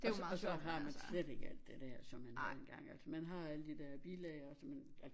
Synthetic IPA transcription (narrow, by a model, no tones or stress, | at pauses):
ɒsɒɦɑ̈mænnsled̥e̝ɡ̥əæl̰d̥e̝d̥æɐ̰sɒ̽mːænhɑenɡ̥ɑ̈ŋ̰ælsɒmænɦɑ̈æləd̥id̥æɐb̥ilɛɪɐɒsɒmænæls